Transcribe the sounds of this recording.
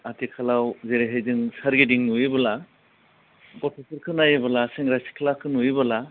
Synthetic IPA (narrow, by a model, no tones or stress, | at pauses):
atikʰalawzeɾeɦejzɯŋsaɾɡidiŋnuibɯla | ɡɔtʰɔsʰɯɾkʰɯnajɯbalaseŋɾasi̥kʰlakʰɯnuibɐla